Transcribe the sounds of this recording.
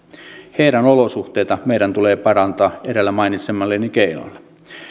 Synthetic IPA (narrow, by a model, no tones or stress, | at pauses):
heiɾænolosuht̪ejt̪ɑmeiɾænt̪uleːpɑɾɑnt̪ɑːeɾelːæmɑinit̪semːɑlːenikeilɑ̰lːe̥